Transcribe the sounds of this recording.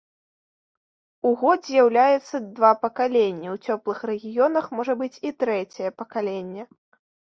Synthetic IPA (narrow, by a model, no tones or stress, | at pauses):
uɣɔd̪zʲjawlʲajɛt̪sːɐd̪vapɐkalʲenʲːiwt͡sʲɔplˠɨxɾɛɣʲijɔnɐxmɔʐɐbɨt͡sʲit̪ɾɛt͡sʲɛjɛpɐkalʲenʲːɛ